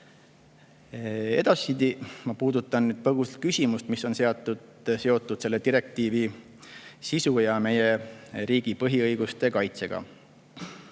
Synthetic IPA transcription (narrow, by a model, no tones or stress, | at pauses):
e̞̰d̪̥ɑsːid̪imɑpuːd̪ut̪ːˑɑnnyːd̪̚pɤɡ̥uset̪̚kysʲimust̪misːo̞nse̞ɑt̪ːˑud̪̥ | se̞o̞t̪ːˑud̪̥se̞lːet̪iɾe̞k̚t̪iːvi | sisujɑme̞jeɾiːɡ̥ipɤɦiɤjɡ̥ust̪e̞kɑjt̪se̞ɡ̥ɑ̰